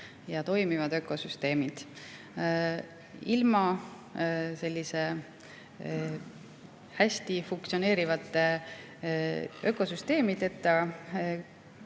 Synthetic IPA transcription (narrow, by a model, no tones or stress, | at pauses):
jɑt̪o̞jmivɑd̪ø̞kːˑo̞syst̪e̞ːmid̪̥ | ilmɑ | se̞lʲːise̞ | hæsʲt̪ifuŋk̚tsione̞ːɾivɑt̪ːˑe | ø̞kːˑo̞syst̪e̞ːmit̪e̞t̪ːˑɑ